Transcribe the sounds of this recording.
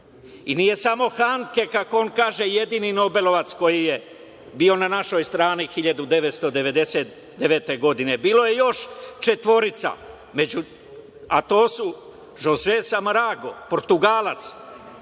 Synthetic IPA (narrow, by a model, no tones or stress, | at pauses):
inije̞samo̞xaŋke̞kako̞onkaːʒe̞je̞d̪inino̞be̞lo̞ʋat̪sko̞jije̞ | biːo̞nanaʃo̞jst̪ɾaːnixiʎad̪ud̪e̞ʋet̪st̪o̞d̪e̞ʋe̞d̪e̞set̪ | d̪eʋeːt̪e̞ɡo̞d̪ine̞biːlo̞je̞jo̞ʃt͡ʃe̞t̪ʋo̞ɾit̪sa̰ | med͡ʒu | a̰t̪o̞ːsu | ʒozesamɾaɡo̞̰poɾt̪uɡaːlat̪s